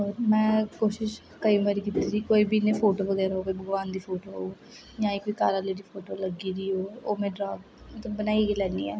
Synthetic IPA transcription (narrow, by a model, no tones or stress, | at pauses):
ɦoːɾmɛ̃ːkoːʃɪʃ | kəiːmaɾiːkit̪iːɾiːkoːiːbiːneːpʰoːʈoːʋəɡɛːɾaɦoːkoibəɡʋaːnd̪iːpʰoːʈoːɦo̰ː | jãːiːkoːikaːɾaːleːɾiːpʰoːʈoːləɡiːɾiːɦoːoːmɛ̃ːɖɾaːɡ | t̪bənaːiɡiːlɛːnḭːɛː